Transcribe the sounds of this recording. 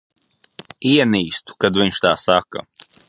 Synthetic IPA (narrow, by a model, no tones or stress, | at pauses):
iɛniːst̪u̥kad̪vʲiɲʃt̪aːsakɐ̰